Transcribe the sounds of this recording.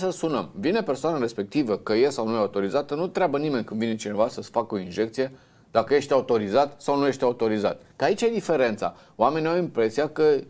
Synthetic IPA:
səsunəmvine̞pe̞rsoanaɾe̞spe̞k̚t̪ivəkəjesawnujeaut̪o̞ɾizat̪ənut̪ɾeabənime̞nʲkɨnd̪vinet͡ʃine̞vasəsfakəo̞inʒe̞k̚t̪sije | d̪̥akəje̞ʃt̪eaut̪o̞ɾizat̪sawnuje̞ʃt̪eaut̪o̞ɾiza̰t̪̚ | kəait͡ʃʲajd̪ife̞ɾe̞nt̪sa̰ | oame̞niawimpɾe̞sijakə

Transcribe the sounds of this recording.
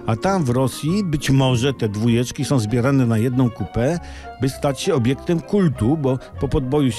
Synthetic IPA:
at̪amvɾɔsʲjibɘt͡ɕmɔʐɛt̪ɛd̪vujɛt͡ʂkʲisɔ̃w̃zbʲjɛɾanɛnajɛd̪nɔ̃w̃kupɛ | bɘst̪at͡ɕɕɛɔbʲjɛkt̪ɛmkult̪ubɔ | pɔpɔd̪̚bɔju

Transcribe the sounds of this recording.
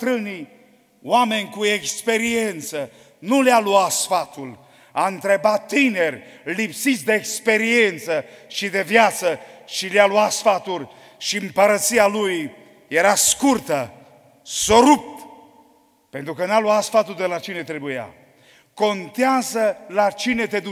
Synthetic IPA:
t̪ɾɨni | wame̞nʲkuekspe̞ɾie̞nt̪sə | nulealuat̪sfat̪ul | aɨnt̪ɾebatt̪ːinerʲlipsit̪sʲd̪e̞ːkspe̞ɾie̞nt̪səʃid̪e̞vjat̪səʃilealuat̪sfat̪ulʲ | ʃiɨmpəɾət̪sialuj | je̞ɾaskurt̪ə | so̞ɾupt̪ | pent̪ɾukənaluat̪sfat̪uld̪elat͡ʃine̞t̪ɾe̞buja̰ | ko̞nt̪eazəlat͡ʃine̞t̪e̞d̪u

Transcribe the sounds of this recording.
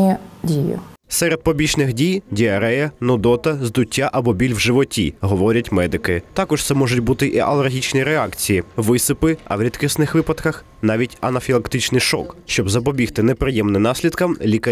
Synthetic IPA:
dʲijɪ̰ | sɛɾed̪̚pɔbʲit͡ʃnɪxdʲijdʲiɐɾɛjɐnɔd̪ɔt̪ɐzd̪ʊtʲːaʔɐbɔbʲilʲwʒɪʋɔtʲḭɦɔʋɔɾʲɐtʲmɛd̪ɪkɪt̪ɑkɔʃt̪sɛmɔʒʊtʲbut̪ɪʔiʔɐ̰lˠerɦʲit͡ʃnʲiɾeɑkt͡sʲijiʋɪsɪpɪɐ̰wɾʲit̪kɪsnɪxʋɪpɐt̪kɐx | n̪ɑʋʲitʲɐnɐfʲilˠɐkt̪ɪt͡ʃnɪjʃɔ̰kʃt͡ʃɔbzɐp̬ɔbʲixt̪ɪnɛpɾɪjɛmnɪmnɑsʲlʲid̪kɐmlʲikɐ

